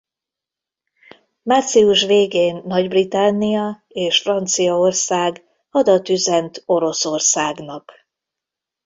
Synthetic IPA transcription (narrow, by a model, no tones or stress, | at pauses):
mat̪siuʃʋeːɡeːnːɒɟbrit̪anːijɒ | eːʃfrɒnt̪sijɒorsaːɡ | ɒd̪ɒt̪yzɛnt̪o̞ɾo̞sorsaːɡnɒk